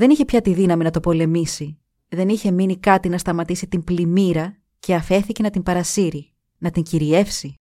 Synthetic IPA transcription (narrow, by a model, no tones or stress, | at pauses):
ðe̞niçe̞pçɐt̪iðinɐminɐt̪o̞po̞le̞misi | ðe̞niçe̞minikɐt̪inɐst̪ɐmɐt̪isit̪implimiɾɐ | ce̞ɐfe̞θice̞nɐt̪imbɐɾɐsiɾi | nɐt̪iɲciɾie̞fsi